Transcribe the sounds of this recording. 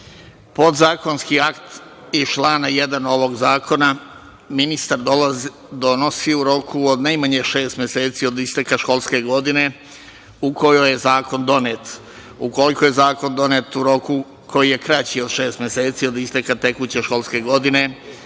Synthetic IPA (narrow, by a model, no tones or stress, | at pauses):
po̞d̪zaːko̞nskiakt̪ | it͡ʃlaːnaje̞d̪ano̞ʋo̞ɡzaːkʰo̞na | minist̪aɾd̪olaz | d̪o̞no̞siuɾo̞kuod̪najmaɲeʃe̞ːst̪mje̞se̞ːt̪sio̞d̪ist̪ekaʃko̞lˠske̞ɡo̞d̪ine̞ | uko̞jojezaːko̞nd̪o̞neːt̪ | uko̞likojezaːko̞nd̪o̞net̪uɾo̞ku | kʰo̞jije̞kɾat͡ɕio̞d̪ʃe̞ːst̪mje̞seːt̪sio̞d̪ist̪ekat̪e̞kut͡ɕe̞ʃko̞lˠske̞ɡo̞d̪ine̞